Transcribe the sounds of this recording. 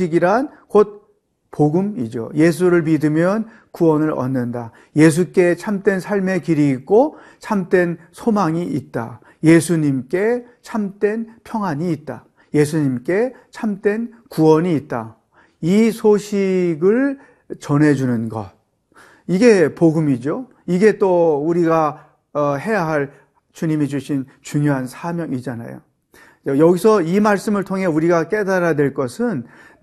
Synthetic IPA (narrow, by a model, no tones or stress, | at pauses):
iɡiɾan | kot̚ | poɡɯmid͡ʑo̰je̞s̬ʰuɾɯɭmidɯmjʌn | kuwʌnɯɾʌ̰nːɯnda | je̞s̬ʰuk͈e̞t͡ɕʰamt͈we̞nsʰaɭme̞kiɾiːk̚k͈o | t͡ɕʰamt͈we̞nsʰomaŋiʔit̚t͈a̰ | je̞sʰuɲimk͈e̞ | t͡ɕʰamt͈we̞npʰjʌŋɦaɲiːt̚t͈a̰ | je̞sʰuɲimk͈e̞t͡ɕʰamt͈we̞nkuʌɲiːt̚t͈a | isʰoɕʰiɡɯɭ | t͡ɕʌne̞d͡ʑunɯnɡʌ̰ | iɡe̞poɡɯmid͡ʑo | iɡe̞t͈ouɾiɡa | ɦe̞jaɦaɭ | t͡ɕuɲimid͡ʑuɕʰin | t͡ɕuŋjoɦansʰamjʌŋid͡ʑana̰jo̰ | ʌjʌɡisʰʌimaɭs͈ɯmɯɭtʰoŋɦe̞uɾiɡak͈e̞daɾadwe̞ɭk͈ʌsʰɯn